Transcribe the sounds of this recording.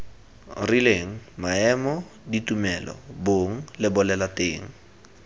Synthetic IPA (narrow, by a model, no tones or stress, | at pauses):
rileŋ̩maɛmɔditumɛlɔ̰boŋ̩lɪbʊlɛlateːŋ̩